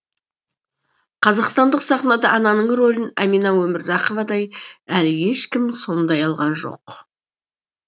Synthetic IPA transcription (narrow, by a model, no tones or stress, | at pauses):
qʰɑzɑqst̪ɑnd̪əqsɑχnɑd̪ɑʔɑnɑnəɴro̞lɪnæminɑwɵmɪɾd̪ɑqovɑd̪ɑjælje̞ʃkʲɪmso̞nd̪ɑjɑlˠʁɑnʒo̞̰q